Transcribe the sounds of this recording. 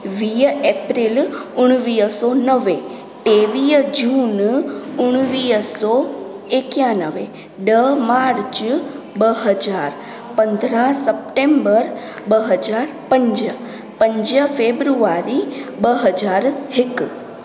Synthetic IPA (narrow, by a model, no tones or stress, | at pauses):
ʋijepɾilʊɳ̃ʋijəsonəʋe | ʈeʋijd͡ʒunʊɳ̃ʋiəso | ekjanəʋe | ɖəmaɾt͡ʃ | bəɦəd͡ʒaɾ | pənd̪ʱɾãsəp̚ʈembəɾ | bəɦəd͡ʒaɾpəɲd͡ʒə | pəɲd͡ʒəfebɾuaɾibəɦəd͡ʒaɾɦik